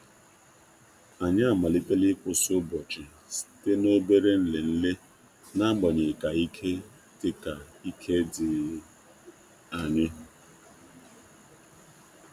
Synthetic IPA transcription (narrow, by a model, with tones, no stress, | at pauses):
a˨ɲa˦a˨ma˨li˦te˦lɪ˦kʷʊ˨sʊ˦bɔ˨t͡ʃɪ˨ | si̥˨te˦no˦be˦ɾe˦n̩˦le˨n̩˦le˦ | na˦ɡ͡bɔ˨ɲe˨ka˨i˦kʰe˦ | tɪ˨ka˨i˦kʰe˦dɪ˨ | a˨ɲɪ˦